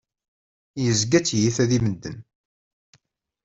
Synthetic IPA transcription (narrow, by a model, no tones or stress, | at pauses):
jəzɡæt͡sːjiθæðiməd̪ːə̰n